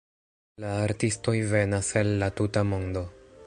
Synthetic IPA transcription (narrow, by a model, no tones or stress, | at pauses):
laːɾtisto̞jve̞naselːatutamo̞ndo̞